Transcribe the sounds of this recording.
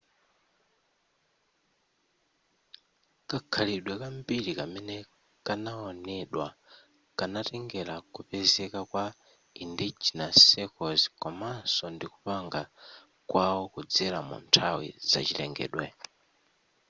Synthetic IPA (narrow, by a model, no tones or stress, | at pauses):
kakʰaliɗwɛkambiɾikamɛnɛ | kanaɔnɛɗwa̰ | kanatɛŋɡɛlakupɛzɛkakwa | indit͡ʃinasɛkɔzi̥kɔmansɔndiku̥paŋɡa | kwawɔkud͡zɛlamṵntʰawḭza̰t͡ʃilɛ̰ŋɡɛ̰ːɗwɛ